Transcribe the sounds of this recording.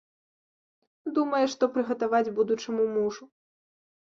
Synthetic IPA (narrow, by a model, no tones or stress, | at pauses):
d̪umɐjɛʂt̪ɔpɾɨɣɐt̪avad͡zʲbud̪ut͡ʂɐmumuʐu